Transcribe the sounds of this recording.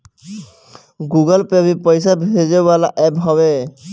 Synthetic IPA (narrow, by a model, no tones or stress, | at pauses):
ɡuɡɔlpɛbipɔjsabʱezebalaʔɛpɦɔβe